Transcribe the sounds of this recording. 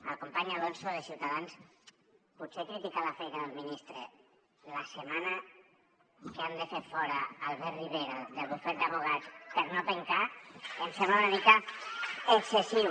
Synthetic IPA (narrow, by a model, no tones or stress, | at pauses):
əlˠkompaɲalonsoðəsiwt̪aðans | putsekɾit̪ikaləfɛjnəðəlˠminist̪ɾḛ | lasemanə | keand̪əfeɾfɔɾəːlˠβɛriβeɾoðəlˠβufɛɾt̪əβuɣ̞at͡spəɾnot̪eŋkaənsemanəβit̪a | əksesi